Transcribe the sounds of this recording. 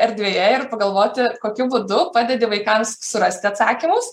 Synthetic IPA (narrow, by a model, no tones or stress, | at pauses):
ɛɾʲd̪ʲʋʲeːjɛɪrpɐɡɐlˠʋoːt̪ʲɪkoːkʲʊbuːd̪ʊpɑːd̪ʲed̪ʲɪʋɐɪkɐmssʊɾɐsʲt̪ʲɪɐt̪sɑːkʲimʊs